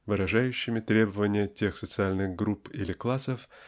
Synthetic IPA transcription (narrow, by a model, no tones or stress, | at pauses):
vɨɾɐʐajʉɕːɪmʲɪt̪ɾʲe̞bəvənʲɪjətʲe̞xsət̪sɨalʲnɨɣɡɾupḭlʲɪklˠasəf